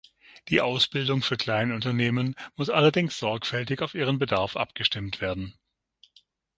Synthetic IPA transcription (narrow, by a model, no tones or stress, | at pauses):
d̥iːʔaʊsb̥ɪldʊŋfyːɐkʰl̥aɪnʊntɐneːmənmʊsʔalɐdɪŋsz̥ɔɐkfɛltɪçaʊfʔiːʁ̞ənbədaɐfʔa̰pɡ̥əʃtɪmtv̥eːɐdn̩